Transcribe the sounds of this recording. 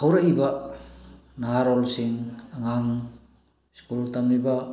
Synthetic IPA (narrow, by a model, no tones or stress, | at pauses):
awɾaiba | naɦaɾolsiŋaŋaŋ | skultamniba